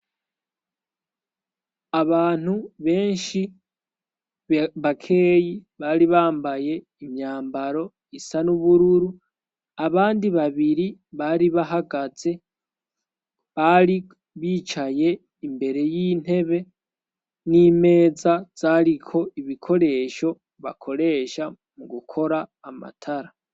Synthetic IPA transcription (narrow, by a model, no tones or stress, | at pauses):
aβaːn̥uβe̞ːnʃi | βakʰe̞ːjiβaːɾiβaːmbaje̞ | imɲaːmbaɾo̞ | isanuβuɾuɾu | aβaːndiβaβiɾiβaɾiβaɦaɡaz̥e̞ | βaɾi | βiːt͡ʃaje̞ | imbe̞ɾe̞jiːn̥e̞βe̞ | nime̞ːzaz̥aɾikʰo̞iβikʰo̞ɾe̞ʃo̞ | βa̰kʰo̞ɾe̞ːʃa | muɡukʰo̞ɾaːma̰tʰaɾa